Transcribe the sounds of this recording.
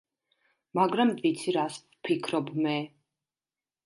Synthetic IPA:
maɡɾamvit̪sʰiɾasvpʰikʰɾɔbmɛ

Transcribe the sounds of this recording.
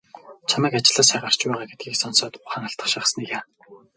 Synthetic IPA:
t͡ɕʰamæːkat͡ɕɪ̆ɮaːsχæʁar̥t͡ɕpæːʁaːɡet̪̚ɡiːksɔnsɔːt̪ʊχaːŋaɬt̪ə̆χʃaχsnikjaː

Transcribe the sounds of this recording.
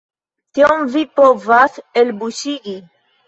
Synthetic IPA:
t̪iomvipovaselbuʃiʔi

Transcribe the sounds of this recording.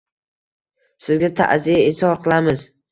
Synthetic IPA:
sɪzɡʲat̪ʰa̰ʔzijaesɒɾqʰɨlˠamɪz

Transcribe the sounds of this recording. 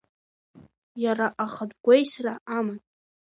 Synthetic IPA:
jaraʔaχədɡʷejsraʔaman

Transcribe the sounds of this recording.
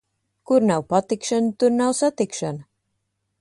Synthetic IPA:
kuɾnawpat̪ikʃant̪uɾnawsat̪ikʃanɨ

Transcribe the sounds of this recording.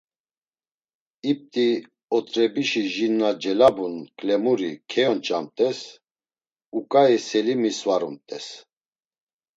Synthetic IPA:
ip̚t̪ʼi | ɔt̪ʼɾɛbiʃiʒinːad͡ʒɛlabunkʼlɛmuɾikʰɛjɔnt͡ʃʼamt̪ʼɛs | ukʼaɛsɛlimisvaɾumt̪ʼɛs

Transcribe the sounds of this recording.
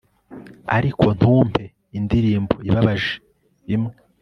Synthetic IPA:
a̰ɾikʰo̞n̥huːmpʰe̞ | indiɾiːmboiβaβaʒe | imŋe

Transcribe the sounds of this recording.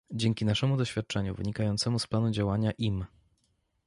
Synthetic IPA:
d͡ʑɛŋkʲinaʂɛmud̪ɔɕfʲjat̪̚t͡ʂɛɲṵvɘ̰ɲikajɔnt̪sɛmusplanud͡ʑawaɲaʔim

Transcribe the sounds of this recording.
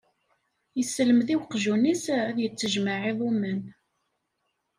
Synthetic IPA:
jəsːələmðiwqʒunisæðjət͡sːəʒmaʕiðˤumən

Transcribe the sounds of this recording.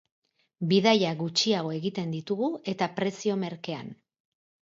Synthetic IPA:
biðajaɣut͡ʃiaɣ̞o̞e̞ɣit̪e̞nd̪it̪uɣ̞ue̞t̪apɾe̞sio̞me̞ɾke̞a̰n

